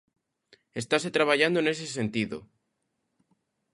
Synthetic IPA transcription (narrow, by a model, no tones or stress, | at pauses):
est̪aset̪ɾaβ̞aʝand̪oeneses̬ent̪iðo̰